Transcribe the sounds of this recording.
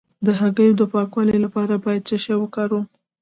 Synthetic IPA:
d̪əɦaɡəjod̪əpɑkwɑleelapɑɾabɑjad̪̚t͡ʃaʃawəkɑɾu

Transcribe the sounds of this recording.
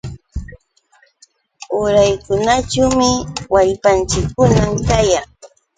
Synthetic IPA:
ʊɾajkʊnat͡ʃawmɪwaʎpant͡ʃɪkːʊnamkajaŋ

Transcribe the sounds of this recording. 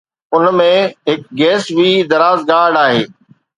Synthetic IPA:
ʊnmẽɦɪk̚ɡɛːsbʱid̪ɐɾaːzɡaːɖaːɦeː

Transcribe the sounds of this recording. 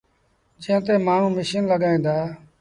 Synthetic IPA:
d͡ʒẽɦə̃t̪eːmaːɳũːmɪʃinləɠaːĩːnd̪aː

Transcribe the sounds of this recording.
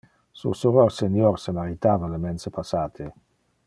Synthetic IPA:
sṵsuɾorsenjɔɾsemaɾit̪aːvalemɛnsepʰasaːt̪ʰe

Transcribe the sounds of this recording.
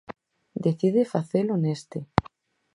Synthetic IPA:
d̪eθiðefaθelonest̪e

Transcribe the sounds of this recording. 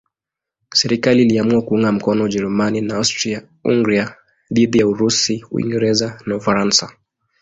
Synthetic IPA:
sɛɾikaliliamuakuuŋɡam̩kɔnɔuʄɛɾumaninaastɾi | ṵŋɡɾia | ðiðijauɾusiuḭŋɡɛɾɛzanaufaɾansa

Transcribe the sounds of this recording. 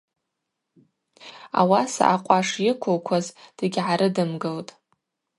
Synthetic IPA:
a̰wasa̰ʔaqʷʼaʂjɪkʷʰolkʷʰazd̥ɨɡʲʕaɾɨdɨmɡɨltʼ

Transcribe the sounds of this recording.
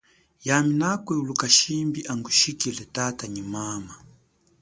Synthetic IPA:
jaminakwɛulukaʃimbiʔaŋɡuʃikilɛtataɲimama

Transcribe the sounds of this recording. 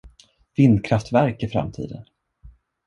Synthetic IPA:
vɪnkʰɾaft̪væɾkɪfɾa̰mt̪ʰḭːd̪ə̰n

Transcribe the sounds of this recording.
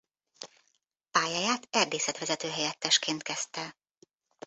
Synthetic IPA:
paːjajaːt̪ɛrd̪eːsɛt̪ʋɛzɛt̪øːɦɛjɛt̪ːɛʃkeːnt̪̚kɛst̪ɛ

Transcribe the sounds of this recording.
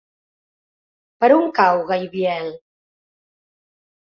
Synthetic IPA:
pəɾuŋkawɣajβjɛl

